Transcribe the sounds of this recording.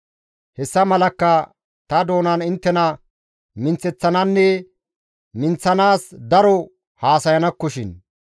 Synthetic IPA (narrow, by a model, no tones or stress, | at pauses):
hɛsːɐmɐlɐkːɐ | t̪ɐd̪o̞ːnɐnɪnt̪ːɛnɐ | mɪnt͡sɛt͡sːɐnɐnːɛ | mɪnt͡sːɐnaːsd̪ɐɾɔ | haːsɐjɐnɐkːɔʃɪn